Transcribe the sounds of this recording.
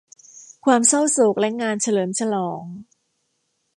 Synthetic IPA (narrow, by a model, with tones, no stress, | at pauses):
kʰwaː˧msa˥˩wsu˨˩k̚lɛ˦˥ŋaː˧nt͡ɕʰa˧lɤː˩˦mt͡ɕʰa˧lɔː˩˦ŋ